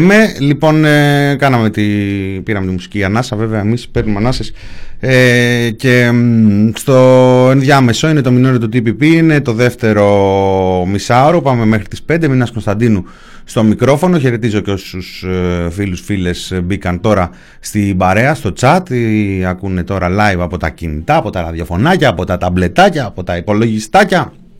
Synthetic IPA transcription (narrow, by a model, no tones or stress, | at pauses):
me̞lipo̞nkɐnɐme̞t̪ipiɾɐmet̪imusi̥ciɐnɐsɐveveɐemispeɾnumɐnɐses | ece̞ | st̪oe̞nðʝɐme̞so̞ine̞t̪o̞minoɾot̪ut̪ipipiine̞t̪o̞ðe̞ft̪e̞ɾo̞ | misɐoɾopɐme̞me̞xɾit̪i̥spe̞nd̪eminɐskonst̪ɐnd̪inu | st̪o̞mikɾo̞fo̞no̞çe̞ɾe̞t̪izo̞ceo̞ssusfilusfile̞sbikɐnt̪o̞ɾɐ | st̪ibɐɾe̞ɐst̪o̞t͡sɐt̪iɐkune̞t̪o̞ɾɐlɐjvɐpo̞t̪ɐ̰cinit̪ɐɐːpo̞t̪ɐɾɐðjo̞fo̞nɐcɐːpo̞t̪ɐt̪ɐble̞t̪ɐcɐɐpo̞t̪ɐipo̞lo̞ʝist̪ɐcɐ